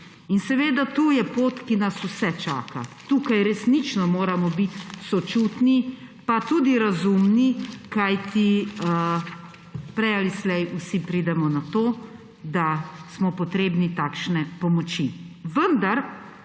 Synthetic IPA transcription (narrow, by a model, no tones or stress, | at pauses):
insɛʋeːd̪at̪uːjɛpoːt̪kinasusɛt͡ʃa̰ːka̰t̪uːkajɾɛsnit͡ʃnɔmoːɾamɔbit̪sɔt͡ʃuːt̪ni | pat̪uːd̪iɾazumnikajt̪i | pɾɛjalislɛjusipɾiːd̪ɛmɔnat̪oː | d̪asmɔpɔt̪ɾeːbnit̪aːkʃnɛpɔmɔt͡ʃiʋənd̪aɾ